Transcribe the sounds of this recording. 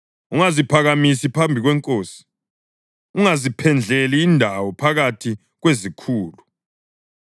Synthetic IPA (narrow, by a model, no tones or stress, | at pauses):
uŋazipʰaɣamisipʰambʱiɣwɛŋkʼoːsi̥ | uŋazipʰɛnd͡ɮʱeliːndʱawɔpʰaɣatʰi | ɣwezikʰuːlu